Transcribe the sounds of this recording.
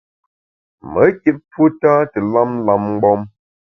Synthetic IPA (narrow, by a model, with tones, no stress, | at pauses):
mə˨˦ke˦p̚pwu˦taː˦tə˨la˦mla˦mŋ͡m̩˦ɡ͡bɔ˦m